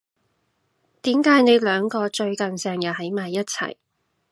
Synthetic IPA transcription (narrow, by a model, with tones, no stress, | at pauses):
t̪iː˨˥mkaː˨˥jne˨˧jlœː˨˧ŋkɔː˧t͡ʃɵ˧ɥkɐ˨nsɛː˨˩ŋjɐ˨˩hɐ˨˥jmaː˨jːɐ˥t̚t͡sʰɐ̰˨˩j